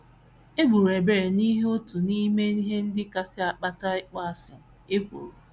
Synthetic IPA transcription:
e˦ɡ͡bu˨ɾe˨be˨ɾe˨ni˦ɦe˦o˦tu˨ni˦me˦i˦ɦe˦n̩˦dɪ˦ka˦sɪ˦a˨k͡pa˦ta˦ɪ˦k͡pa˦a˨sɪ̰˨ | e˦kʷu˨ɾu˨

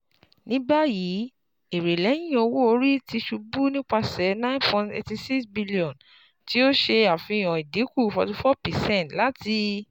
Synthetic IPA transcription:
nĩ˦ba˦ji˨˦ | e˨ɾe˨lɛ˨˦j̃ĩ˦o˧wo˦o˧ɾi˦ti˧ʃu˧bu˦nĩ˦k͡pa˧sɛ˨˦nã˦npɔ̃˧ntḛ˧ti˧si˦ksbi˦li˦ɔ̃˨n | ti˨˦o˦ʃe˧a˨fĩ˧i˧˨j̃ɔ̃˨i˨de˨˦ku˦˨fɔ˧ti˧fɔ˦pɛ˨sɛ̃˦˨tla˦ti˧

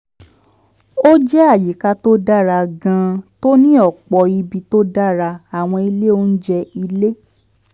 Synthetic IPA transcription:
o˦d͡ʒɛ˦a˦˨ji˨ka˧to˦da˦˨ɾa˧ɡã˧to˦nĩ˦ɔ˦˨k͡pɔ˨i˧bi˧to˦da˦˨ɾa˧a˨w̃ɔ̃˧i˧le˦o˦n̩˦d͡ʒɛ˧i˧le˦

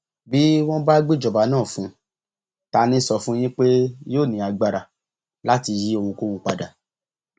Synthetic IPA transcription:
bi˦w̃ɔ̃˦ba˦ɡ͡bi˦˨d͡ʒɔ˨ba˨˦nãː˦˨fũ˨˦ | ta˧˦nĩ˦sɔ˧fũ˦j̃ĩ˦k͡pe˦joː˦˨nĩ˨a˧ɡ͡ba˧ɾa˨ | la˦ti˧ji˦o˧wũ˧ko˦wũ˧k͡pa̰˧da˨

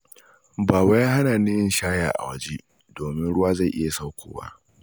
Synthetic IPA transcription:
baː˨ba˦jaː˦ha˦naː˨nɪ˦jɪ˦˨nʃaː˦ja̰ː˨ʔa̰˨wɐ˦d͡ʒe˦ | doː˨mɪ˦nɽʊ˦waː˦za˦˨jʔɪ˦ja˨sa˦wkʷʰoː˨wa̰˦ʔ

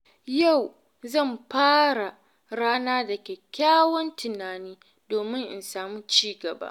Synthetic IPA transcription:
ja˦˨w | zɐ˦˨mɸaː˦ɽa˨ | ɽaː˦naː˦dɐ˨kʲe˨kʲaː˦wɐ˦ntɪ˨naː˨niː˦ | doː˨mɪ˦ŋʔɪ̰˨nsaː˨muː˦t͡ʃiː˦ɡɐ˨ba̰˦

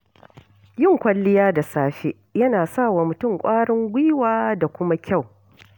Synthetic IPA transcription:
jɪ˦˨ŋkʷɐ˨lːɪ˦jaː˦da˨saː˦ʃe˦ | jɐ˦naː˨sa˦˨waː˨mʊ˨tʊ˦˨ŋkʷʼaː˦ɽɪ˦ŋɡʷiː˦waː˦da˨kʷʊ˦ma˦kʲa˦˨w

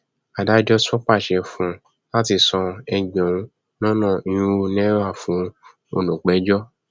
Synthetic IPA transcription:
a˨da˨˦d͡ʒɔ˦sɔ˦k͡pa˦˨ʃɛ˧fũ˧˦ | la˦ti˧˨sɔ̃˧ɛ˧ɡ͡bɔ̃˨ũ˧ | nɔ̃˦nɔ̃˦˨i˨jũ˦o˧nɛ̃˦wa˦˨fũ˨˦ | o̰˧nũ˨k͡pɛ˨˦d͡ʒɔ˦

